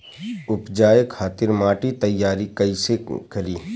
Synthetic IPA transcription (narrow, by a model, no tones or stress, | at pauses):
ʊpd͡ʒaːjəkʰaːt̪ɪɾmaːʈit̪ɐjːaːɾikɐisekʰɐɾiː